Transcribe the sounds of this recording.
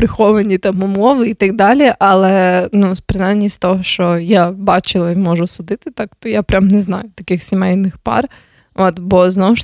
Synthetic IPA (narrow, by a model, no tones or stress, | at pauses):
pɾɪxɔʋɐnʲit̪ɑmʊmɔʋɨit̪ɐɡ̚d̪ɑlʲɛʔɐlˠɛnuspɾɪnanʲːist̪ɔɦɔʃt͡ʃɔjabɑt͡ʃɪlˠɐimɔʒʊsʊd̪ɪt̪ɪt̪ɑkt̪ɔjapɾʲamnɛznɑ̰jʊt̪ɐkɪxsʲɪmɛjnɪxpɑ̰r | ot̪bɔznɔwʃ